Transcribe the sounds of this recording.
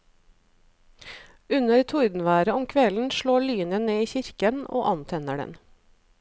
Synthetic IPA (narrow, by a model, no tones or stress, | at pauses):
ʉnəɾt̪ʰʊɾd̪n̩ʋæːɾəɔmkʰʋɛln̩ʃɭoːɭyːnəneːiːçɪɾkəno̰ːʔɑnt̪ʰɛnəɖɛ̰n